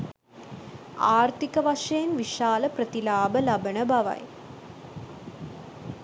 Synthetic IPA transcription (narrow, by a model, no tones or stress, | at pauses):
aːrt̪ikɐʋɐʂɐnʋiʂaːlɐprɐt̪ilaːbəlɐbɐɳəbɐʋɐ̰j